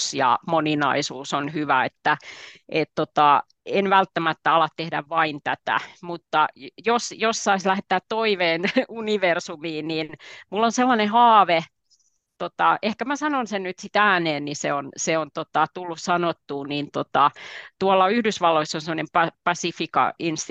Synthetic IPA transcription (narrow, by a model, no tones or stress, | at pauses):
sjɑ̰moninɑ̰isuːsonhyʋæet̪ːæʔet̪t̪ot̪ɑ | enʋælt̪ːæmæt̪ːæɑlɑt̪tehdæʋʋɑint̪æt̪æ̰mut̪ːɑjosjossɑislæhet̪ːæːt̪toiʋeːnuniʋersumiːniːnmulːonselːɑnehɑːʋe | t̪ot̪ɑʔehkæmæsɑnonsennyt̪sit̪æːneːnniseonseont̪ot̪ɑt̪ulːussɑnot̪ːuːnint̪ot̪ɑt̪uɑlːɑyhdysʋɑlːoisːonsemŏnempɑpɑsifikɑ̰inst̪